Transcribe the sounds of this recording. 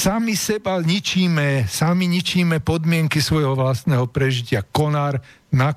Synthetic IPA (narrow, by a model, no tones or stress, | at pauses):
samisɛbaɲit͡ʃiːmɛsamiɲit͡ʃiːmɛpɔd̪mɪɛŋkisʋɔjɦɔʋlast̪nɛːɦɔpɾɛʒicɪakɔnaːɾ | na